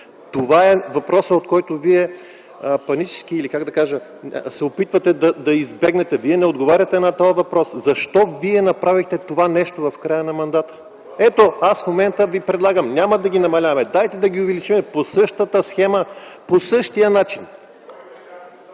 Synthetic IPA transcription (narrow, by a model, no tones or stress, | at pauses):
t̪ovaɛvɐpɾɔsəot̪kɔjt̪oviɛ | pɐnit͡ʃɛ̥skiːlikaɡd̪ɐkaʒəsɛopit̪vɐt̪ɛd̪ɐd̪ɐizbɛɡnɛt̪ɛviɛnɛod̪ɡovaɾʲɐt̪ɛnɐt̪ɔjəvɐpɾɔszɐʃt̪ɔviɛnɐpɾavixt̪ɛt̪ovanɛʃt̪ovɐfkɾajənɐmɐnd̪at̪ə̥ | ɛt̪oasfmomɛnt̪əvipɾɛd̪lˠaɡəmnʲamɐd̪ɐɡʲinɐmɐlʲavɐmɛd̪ajt̪ɛd̪ɐɡʲiʊvɛlit͡ʃimɛposɤʃt̪ət̪əsxɛməposɤʃt̪ijənat͡ʃin